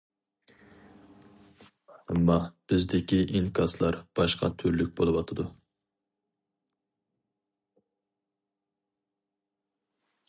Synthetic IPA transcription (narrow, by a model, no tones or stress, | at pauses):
ɛmːɑb̥ɪzd̪ɪkʲiʔiŋkʰɑslˠɑɾb̥ɑʃqʰɑ̰t̪ʰyɾlyk̚ʲbolˠɨwɑt̪ʰɨd̪u